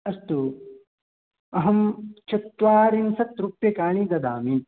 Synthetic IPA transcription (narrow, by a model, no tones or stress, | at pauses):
ɐst̪u | ɐɦɐmt͡ʃɐt̪ːʋaːɾinsɐt̪ɾupjɐkaːɳid̪ɐd̪aːmi